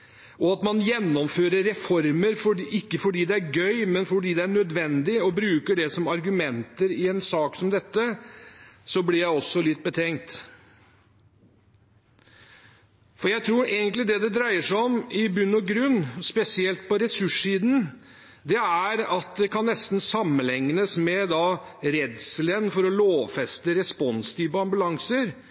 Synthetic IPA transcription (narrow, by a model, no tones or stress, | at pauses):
ɔɑt̪mɑnjɛnːɔmføːɾəɾɛfɔɾməɾfɔɪkːəfɔɖiːd̪ɛæɾɡœʏmɛnfɔɖiːd̪ɛæɳœd̪ʋɛnd̪ɪɔbɾʉːkəɖɛsɔmɑɾɡʉmɛnt̪əɾɪɛnsɑːksɔmd̪ɛt̪ːə | sɔblɪɾjæɪɔsːɔlɪt̪̚ːbət̪ʰɛŋt̪ | fɔɾjæɪt̪ʰɾuːɾeːɡənt̪lɪd̪ɛd̪ɛd̪ɾæɪəʂæɔmɪbʉnːɔɡɾʉnːspɛsɪɛlt̪̚pʰɔɾɛsʉʂːiːd̪n̩ | d̪ɛæɾɑt̪̚d̪ɛkʰɑnːɛst̪n̩sɑmːənlɛŋnəsmɛd̪ɑɾɛd̪sələnfɔɾɔloːʋfɛst̪əɾɛspɔnst̪ʰiːʋəɑmbʉlɑŋsəɾ